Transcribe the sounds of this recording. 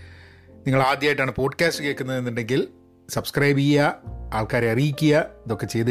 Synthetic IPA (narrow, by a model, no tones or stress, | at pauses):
niŋːɐɭaːd̪jaːjiʈːaːɳɨpo̞ːɖɨkaːstɨkeːkːunːɐðenːiɳɖe̞ŋɡil | sɐbskrɐjbikɐjaaːɭkaːɾeɐrijikʲːujɐɐðo̞kːe̞t͡ɕe̞jðɨ